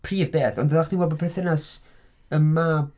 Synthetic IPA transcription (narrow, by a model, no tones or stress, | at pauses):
pʰriːvbeːθɔ̰ndəðaχninwɛlˠbɔpʰrɛθɛnas | əma